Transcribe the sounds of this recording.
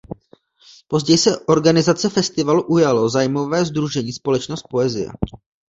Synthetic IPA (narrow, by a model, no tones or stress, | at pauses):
po̞zɟɛjsɛʔo̞ɾɡanɪzat͡sɛfɛst̪ɪvaluʔujalo̞zaːjmo̞vɛːzd̪ɾuʒɛɲiːspo̞lɛt͡ʃnost̪̚po̞ɛzɪ̰jɛ̰